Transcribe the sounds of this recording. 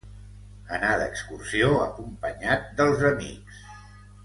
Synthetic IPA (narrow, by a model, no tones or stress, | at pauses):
ənaðəkskursioəkumpəɲat̪̚d̪əlˠzəmḭks